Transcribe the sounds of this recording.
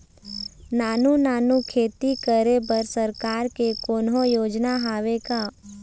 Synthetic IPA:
naːnunaːnukʰeːt̪ikəɾebəɾsəɾkaːɾkekoːnɦõjoːd͡ʒnaɦaːʋekaː

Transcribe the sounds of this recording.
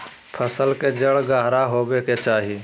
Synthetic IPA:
pʰəsəlked͡ʒəɽɡaːɦɾaɦoːbeket͡ʃaːɦi

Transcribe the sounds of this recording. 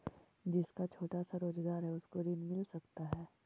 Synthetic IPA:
d͡ʒɪskat͡ʃʰoːʈasaɾoːzɡaːɾɦɛʊskoɾɪnmɪlsɐkt̪aɦɛː

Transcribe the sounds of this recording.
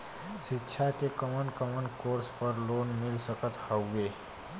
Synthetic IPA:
ʃɪtːʃʰakekəmənkəmənkoːɾspəɾloːnmɪlsəkət̪həɡeː

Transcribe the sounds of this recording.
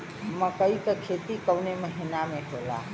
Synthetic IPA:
ɦəmːãkəikekʰet̪ikəwneməɦinamẽɦola̰

